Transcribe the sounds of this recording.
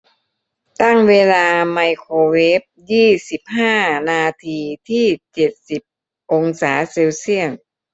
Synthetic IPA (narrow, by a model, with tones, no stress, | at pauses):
t̪a˥˩ŋweː˧laː˧ma˧jkʰoː˧weː˦˥p̚jiː˥˩si˨˩p̚haː˥˩naː˧t̪ʰiː˧t̪ʰiː˥˩t͡ɕe˨˩t̪̚si˨˩p̚ | ʔo˧ŋsaː˩˦seː˧wsi˥˩əŋ